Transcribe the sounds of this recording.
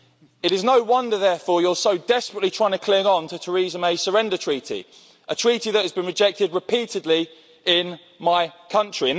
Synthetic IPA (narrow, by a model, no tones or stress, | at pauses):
ɪɾɪznəʊwʌ̃ndəðɛːfɔːjəlˠsəʊdɛspɹəʔlitʰɹ̥aɪɪ̃ŋtʰə̥kʰl̥ɪ̃ŋə̃ntʰətʰəɹiːzə̃meɪsəɹɛ̃ndətʰɹ̥iˑtʰḭ | ʔətʰɹ̥iˑtiðəthəzbĩnɹɪd͡ʒɛk̚tɪd̚ɹɪpʰiˑtɪdˡli | ɪ̃n | maɪkʰʌ̃nt͡ʃɹ̥iə̃n